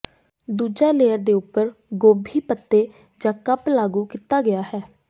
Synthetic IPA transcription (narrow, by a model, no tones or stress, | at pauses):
d̪uːd͡ʒɛːleːəɾd̪eːʊpːəɾɡoːbʱiːpət̪ːeː | d͡ʒãːkəplaːɡuːkɪt̪aːɡɪjaːɦɛː